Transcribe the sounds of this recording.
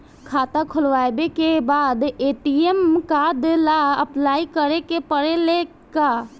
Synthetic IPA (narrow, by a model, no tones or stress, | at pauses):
kʰaːt̪akʰʊlʋaːbekebaːd̪eːʈiemkad̪elaəplaːikəɾekepəɽele | kaː